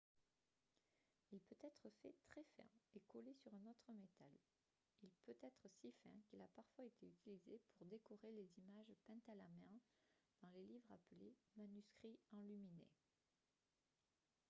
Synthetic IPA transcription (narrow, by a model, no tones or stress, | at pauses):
ilpøt̪ɛt̪χəfɛ̰t̪χɛfɛ̰̃ekɔlesyʁɛ̃nɔt̪χəmet̪al | ilpøt̪ɛt̪χəsifɛ̰̃kilapaʁfwaet̪eyt̪ʰilizepʰuʁd̪ekɔʁelezimaʒpɛ̃t̪alamɛ̃ | d̪̥ɑ̃lelivʁapəlemanyskχiɑ̃lyminḛ